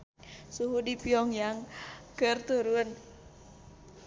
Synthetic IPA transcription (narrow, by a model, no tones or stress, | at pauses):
suɦudipiɔŋjaŋkərt̪uɾun